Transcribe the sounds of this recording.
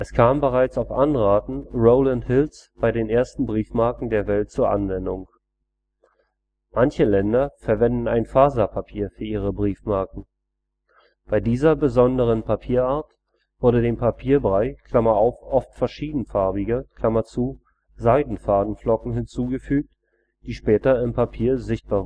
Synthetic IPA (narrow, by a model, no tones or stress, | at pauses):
ʔɛskʰaːmbəʁaɪt͡saʊfʔanʁaːtn̩ʁoʊlanthɪlsb̥aɪdeːnʔeːɐstn̩bʁiːfmaɐkŋ̩deːɐvɛltt͡suːɐʔa̰nvɛndʊŋ | mançəlɛndɐfɛɐvɛndn̩aɪnfaːzapʰapʰiːɐfyːɐʔiːʁəbʁiːfmaɐkŋ̩ | b̥aɪdiːzɐbəzɔndəʁ̞ənpʰapʰiːɐaːɐt | v̥ʊɐɾədeːmpʰapʰiːɐbʁaɪkʰl̥amɐaʊfʔɔftfɛɐʃiːdn̩faɐbɪɡəkʰl̥amɐt͡suː | zaɪdn̩faːdn̩flɔkŋ̩ɦɪnt͡suːɡəfyːk̚t | d̥iːʃpɛːtɐɪmpʰapʰiːɐzɪçt̚b̥aːɐ